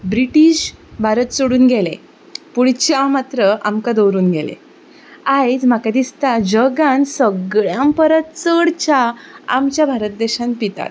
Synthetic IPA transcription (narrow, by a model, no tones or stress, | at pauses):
bɾiʈiːɕbʱaɾət̪soɽuːnɡʱelḛ̃ | puɽt͡ɕamat̪ɾəʔa̰mkad̪owɾuːnɡʱelḛ | ajd͡zmakad̪ist̪ad͡ʑəɡãnsəɡɭjãmpəɾət̪t͡səɽt͡ɕaa̰mt͡ɕjabʱaɾət̪̚d̪eɕãnpit̪a̰t̪̚